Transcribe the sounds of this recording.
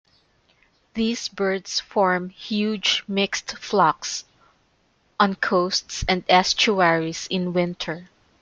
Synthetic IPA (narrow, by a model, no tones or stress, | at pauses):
ðiːsbɜɹdsfɔɹmhjud͡ʒmɪkst̪flɑks | ʔɔ̃nkʰoʊst̪sɛ̃nd̪ɛst͡ʃuɛɹisɪ̃nwɪ̃nt̪ʰəɹ